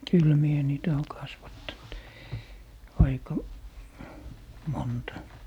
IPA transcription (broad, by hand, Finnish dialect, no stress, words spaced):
kyl mie niːtæ oː kɑsʋɑtːɑnt ɑikɑ montɑ